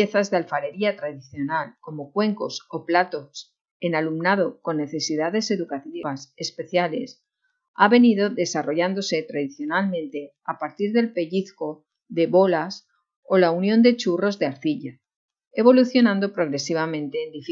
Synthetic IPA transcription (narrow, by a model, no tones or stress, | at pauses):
eθazðealfaɾe̞ɾiat̪ɾaðiθjo̞nalko̞mo̞kwe̞ŋko̞so̞plat̪o̞s | e̞nalumnað̞o̞ko̞nːe̞θe̞siðaðe̞se̞ðukat̪iβase̞spe̞θjale̞s | aβe̞niðo̞ðe̞saro̞ʝand̪o̞se̞t̪ɾaðiθjo̞nalmẽ̞nt̪e̞ | apaɾt̪iɾðe̞lpe̞ʎiθko̞ | ðe̞βo̞las | o̞launjo̞nd̪e̞t͡ʃuro̞zðeaɾθiʎa | e̞βo̞luθjo̞nãnd̪o̞pɾo̞ɣ̞ɾe̞siβ̞amẽ̞nt̪e̞ːnd̪if